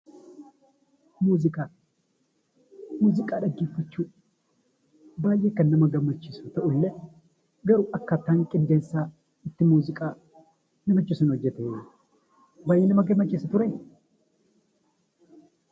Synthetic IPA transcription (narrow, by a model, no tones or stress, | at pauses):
muːzɪkʼaː | muːzɪkʼaːᶑɐɡːeːfːɐt͡ʃːuːᶑ | baːjʔːeːkːɐnːɐmɐɡɐmːɐt͡ʃːɪsʊt̪ɐʔʊlːɛ | ɡɐɾʊɐkːɐt̪ːaːŋkʼɪnd̪eːnsaː | ɪt̪ːɪmuːzɪkʼaː | nɐmɐt͡ʃːɪsʊnhɔd͡ʒːɛt̪eːd | bɐjeːnɐmɐɡɐmːɐt͡ʃːɪsɐt̪ʊɾɐj